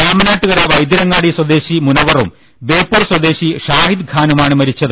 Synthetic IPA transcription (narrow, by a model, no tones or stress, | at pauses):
aːmɐnaːʈːuɣɐɾaːʋɐjd̪iɾɐŋːaːɽiswɐd̪e̞ːɕimunɐʋɐrum | beːpːuːrswɐd̪e̞ːɕiʂaːhid̪ɡʰʱaːnumaːɳɨmɐɾit͡ɕːɐðɨ